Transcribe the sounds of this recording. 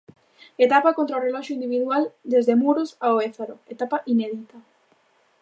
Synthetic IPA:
et̪apakont̪ɾaorelɔʃʊind̪iβiðwald̪ezðemuɾosaoeθaɾoet̪apaʔineðit̪ɐ

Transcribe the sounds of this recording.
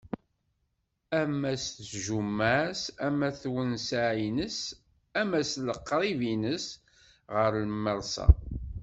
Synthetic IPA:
æmːæsθsʒumːæsæmːæθwənsaʕinəs | æmæsləqːɾˤivinəs | ʁəɾlməɾˤsɑ̰

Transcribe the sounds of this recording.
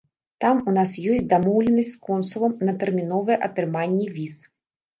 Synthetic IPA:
t̪amun̪asjɔsʲd̪amɔwlʲɛnɐsʲtʲskɔnsɔlˠɐmnɐt̪ɛrmʲinɔvɐjɛʔɐt̪ɾɨmanʲːivʲis

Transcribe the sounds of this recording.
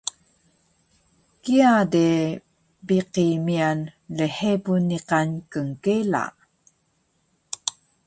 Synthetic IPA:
kiade | biqimianlehebunːiqankəŋkela̰

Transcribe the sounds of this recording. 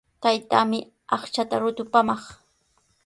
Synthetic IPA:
t̪ajt̪aːmɪ | ɑχt͡ʃat̪aɾʊt̪ʊpamɑχ

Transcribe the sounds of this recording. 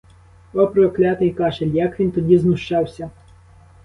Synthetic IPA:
ɔpɾɔklʲɑt̪ɪjkɑʃelʲjɐkʋʲint̪ɔdʲiznʊʃt͡ʃɑwsʲɐ

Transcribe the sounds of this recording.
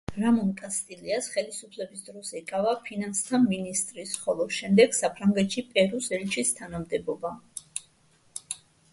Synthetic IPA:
ɾamɔnkʼast̪ʼiliasχɛlisupʰlɛbisd̪ɾɔsikʼavapʰinanst̪ʰaminist̪ʼɾisχɔlˠɔʃɛmd̪ɛɡ̥sapʰɾaŋɡɛt̪ʃipʼɛɾusɛlt͡ʃʰist̪ʰanamd̪ɛbɔba

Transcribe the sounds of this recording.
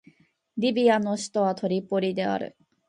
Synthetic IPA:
ɾʲibʲianoɕi̥t̪o̞βat̪ʰo̞ɾʲipːoɾʲid̪e̞a̰ɾɯ̟̰

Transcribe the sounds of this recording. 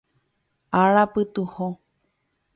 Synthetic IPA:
aɾapɨt̪uho

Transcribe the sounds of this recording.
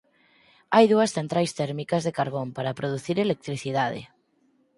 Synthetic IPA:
ajðuɐsθent̪ɾajst̪ɛɾmikɐzðekaɾβompaɾɐpɾoðuθiɾelek̚t̪ɾiθiðaðɪ̰

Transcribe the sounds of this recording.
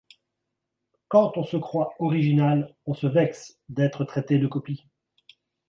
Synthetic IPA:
kɑ̃t̪ɔ̃səkχwaɔʁiʒinalɔ̃səvɛks | d̪ɛt̪χət̪χet̪ed̪əkɔpi

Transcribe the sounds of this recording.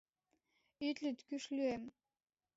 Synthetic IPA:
yt̪lit̪kʲyʃlʲyem

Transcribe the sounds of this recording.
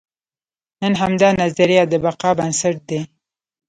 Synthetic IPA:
nənɦamd̪ɑnazaɾijɑd̪əbaqɑbansaʈ̚d̪e

